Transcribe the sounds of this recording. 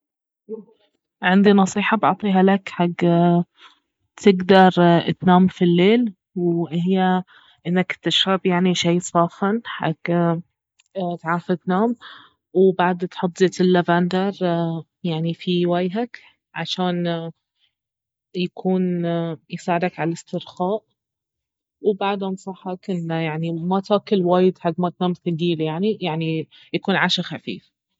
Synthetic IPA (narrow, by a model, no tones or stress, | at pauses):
ʕɪnd̪inɑsˤiːħɑbɑʕt̪ˤiːɦalakħaɡː | t̪ʰɪɡd̪ɑɾˤt̪naːmfilːeːl | wʔhɪjːa | ʔɪnːakt̪ːaʃɾɑbjaʕniʃajːsˤɑːfanħa̰ɡ̥ | t̪ʕaːfɪt̪naːm | wbaʕd̪t̪ħʊt̪ˤːzeːt̪ɪlːavaːnd̪ɑɾˤ | jaʕnifiwajɦak | ʕaʃaːn | jakʰuːnjsaːʕɾˤakʕalɪ̥st̪ɪɾxaːʔ | wbaʕd̪ʔɑnsˤɑħːɑkʔɪnːajaʕnimat̪aːkɪlwaːjɪd̪ħaɡːmat̪naːmθaɡiːɾjaʕnijaʕni | jakuːnʕaʃaxafḭːf